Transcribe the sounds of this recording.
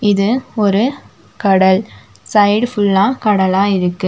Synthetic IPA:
ɪðɯɔɾɯ | kɐɽɐl | sɐɪɽfʊlːaːkɐɽɐlaːɪɾɯkːɯ

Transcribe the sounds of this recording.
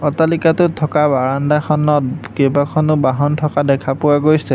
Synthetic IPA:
ɔtalikatʊtʰːɔkabaɹandakʰɔnɔt̚kejbakʰɔnʊbaɦɔntʰɔkadɛkʰapʊwaɡojsɛ

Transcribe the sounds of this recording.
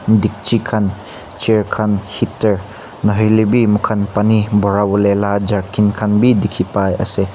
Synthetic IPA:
dik̚t͡ʃikʰan | t͡ʃeɾkʰanhitːeɾ | nɐɦɯjlibimukʰɐnpanibɔɾabulelad͡ʒaɾkʰinkʰanbidikʰipajɐ̰se

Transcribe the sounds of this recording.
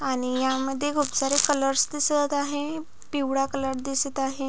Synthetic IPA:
aɽ̃ijaməd̪ʱːjekʰupsaɾekələɾsd̪isət̪aɦe | piwɽakələɾd̪isət̪aɦe

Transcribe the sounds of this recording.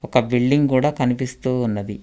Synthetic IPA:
ɔkɐbiɭɖiŋɡkuːɽaːkɐnipist̪uːnːɐd̪i

